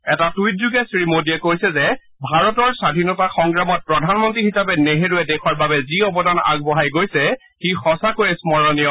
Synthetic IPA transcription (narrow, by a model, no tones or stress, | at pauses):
ɛtatujt̚zuɡɛsɹimodiɛkojsɛzɛ | bʱaɹɔtɔɹsadʱinɔtaxɔŋɡɹamɔt̚pɹɔdʱanmɔntɹixisapɛneɦeɹuɛdekʰɔɹbabɛziɔbɔdana̰ɡ̚bɔɦajɡojsɛ | xixɔsakojɛsmɔɹɔnijɔ